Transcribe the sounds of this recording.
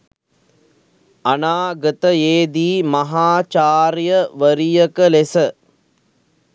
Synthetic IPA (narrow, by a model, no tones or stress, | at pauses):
ɐnaːɡɐt̪ɐjeːd̪iːmɐɦaːt͡ʃaːɾjɐʋɐɾijɐkɐlesɐ